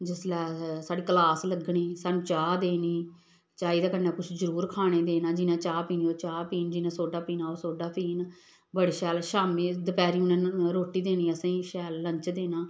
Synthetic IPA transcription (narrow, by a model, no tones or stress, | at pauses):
d͡ʒɪslɛːsaːɖiːkəlaːsləɡɳiːsaːnũːt͡ʃaːd̪eːniː | t͡ʃaːiːd̪aːkənːãːkʊt͡ʃʰzəɾuːɾkʰaːɽ̃eːd̪eːnaːd͡ʒɪnãːt͡ʃaːpiːniːoːt͡ʃaːpiːnd͡ʒɪnãːsoːɖaːpiːnaːoːsoːɖaːpiːn | bəɽeːʃɛːlʃaːmiːd̪əpɛːɾiːʊnãːɾoːʈiːd̪eːniːəsãiːʃɛːlːə̃ɲt͡ʃd̪eːnaː